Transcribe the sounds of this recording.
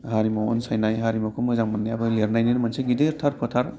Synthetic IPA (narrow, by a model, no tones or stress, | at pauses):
ɦaɾimawɔ̰nsajnajɦaɾimɔkʰɯmɯzaŋmanːajabɯliaɾnajninmanseɡideɾtʰaɾpʰɯtʰaɾ